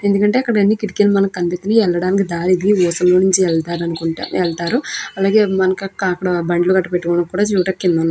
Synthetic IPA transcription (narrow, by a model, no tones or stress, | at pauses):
e̞nd̪ukɐɳʈe̞ːɐkːɐɽɐɐnːiːkiʈikelumɐnɐkːɐnd̪it̪ɐniɛlːɐɽaːnik̬id̪aːɾid̪iʋɔːsɐllo̞ːnuɲt͡ʃiɛɭt̪aːɾɐnukuɳ̰ɛlt̪aːɾuɐlaːɡe̞ːmɐnɐkɐkːɐkːɐɽɐbɐɳɖluɡɐʈːɐpeʈːukɔːɽɐkːuːɽaːt͡ʃuːʈɐkːinːɐnː